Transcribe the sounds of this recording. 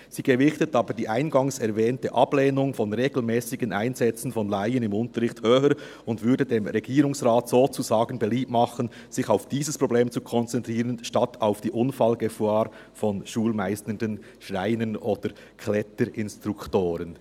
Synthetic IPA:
z̥iːɡəvɪçtətɑːbədiːʔaɪnɡɑŋsɛɾvɛːntəʔɑb̥leːnʊŋfɔnʁeːɡl̩mɛːsɪɡənʔaɪnzɛt͡sn̩fɔnlaɪənɪmʊntəɾʁɪçthøːhəɾ | ʊndvʏɐɾdədeːmɾɛɡiːɾʊŋsʁaːtsoːt͡suzaːɡənbɛliːpmɑχən | z̥ɪçaʊfd̥iːzəspʁ̥obleːmt͡sukʰɔnt͡sɛntʁ̥iːɾənʃtɑtʰaʊfd̥iːʔʊnfɑlɡəfaːɾ | fɔnʃuːlmaɪstəndən | ʃʁaɪnənoːd̥əɾ | kʰlɛtəɾɪnstɾuktoːɾən

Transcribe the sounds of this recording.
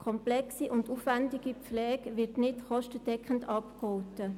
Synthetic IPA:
kʰɔmplɛksiʔʊndufʋændiɡ̥ipp͡flɛːɡ̥ʋɪɾtnɪtχɔʃtəd̥ɛkχəndɑpkɔwtə

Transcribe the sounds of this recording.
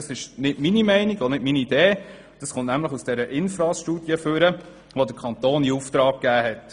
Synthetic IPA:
ɑsɪʃnɪtminimɛɪniɡɔnɪtminiːd̥eː | d̥ɑsχʊntnæmləχusd̥ɛɾəʔɪnfɾɑːʃtuːd̥jəføɾə | ʋodəkʰɑnt̪oːniuft̪ɾɑːk̚kæːɦɛt

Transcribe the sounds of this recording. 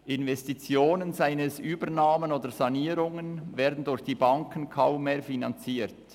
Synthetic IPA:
ʔɪnvɛstit͡sjoːnənzaɪnəsʔyːbənaːmənoːdəz̥ɑniːɾʊŋənvɛːɐdn̩dʊɾçd̥iːbɑŋkən̩kʰaʊmːeːɐfinɑnt͡siːɾt

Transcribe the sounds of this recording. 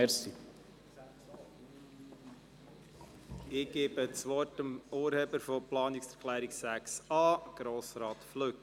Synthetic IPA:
si | ɪɡ̥eːbət͡sʋɔrtəmoːɾheːbəɾfɔplɑːnɪksɛɾkʰlæːɾiksæksɑːɡ̥ɾoːsɾɑːt̪fløk

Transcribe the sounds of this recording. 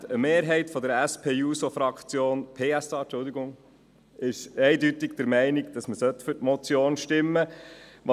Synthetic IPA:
əmeːɾɦɛɪtfɔd̪əɾæspʰeːjuːsofɾɑkt͡sjoːnpʰeːæsɑːt͡ʃʊld̪iɡʊŋ | ɪʃɛɪdytɪɡd̥̪əɾmɛɪnɪɡd̥̪ɑsməsœt̪ːfʏɾtmɔt͡sjoːnʃtɪmːəʋɑ

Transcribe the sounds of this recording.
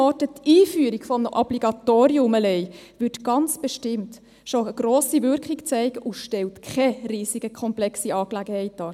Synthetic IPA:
ɔtətiːfyːɾiɡ̥fɔmnəʔɔb̥liɡɑtoːɾiʊməlɛɪʋʏtɡ̥ɑnt͡sb̥eʃtɪmt | ʃoəɡ̥ɾoːsivʏɾkχikt͡sɛɪɡəʔʊʃtɛltkʰχɛriːsiɡəkʰχɔmplɛksiɑːklæɡəhɛɪt̚dɑː

